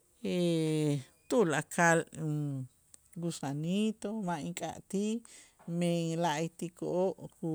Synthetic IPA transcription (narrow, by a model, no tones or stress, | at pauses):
e | t̪ulakʰal | ɡusanit̪omãĩkʼa̰ʔt̪imẽŋlaʔt̪ikoʔoʔku